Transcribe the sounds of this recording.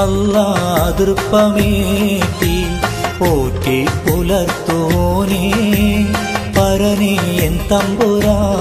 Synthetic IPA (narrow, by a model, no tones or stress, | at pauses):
ɐlːɐd̪ɾpːɐmiʈ̪i | oːʈːipulɐɾt̪uni | pɐɾɐnijent̪ɐmbuɾa